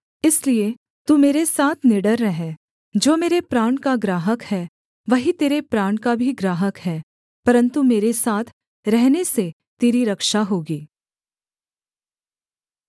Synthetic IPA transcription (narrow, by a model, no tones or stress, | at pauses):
ɪslie | t̪umeːɾesaːt̪ʰnɪɖəɾːɐɦeː | d͡ʒoːmeːɾepɾaːɳkaɡɾaːɦəkhɛː | ʋɐɦit̪eːɾepɾaːɳkabʱiɡɾaːɦəkɦɛː | pɐɾə̃nt̪umeːɾesaːt̪ʰ | ɾɛɦnese | t̪eːɾiɾɐkʃaɦoːɡiː